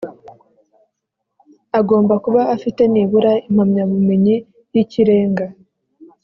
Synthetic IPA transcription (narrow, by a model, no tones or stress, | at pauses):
aɡo̞ːmbakuβaːfite̞niːβuɾaim̥hamɲaβume̞ɲi | jiciɾe̞ːŋɡa